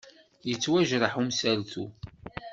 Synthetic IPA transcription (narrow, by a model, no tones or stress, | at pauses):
jət͡sːwæʒɾˤəħumsælθu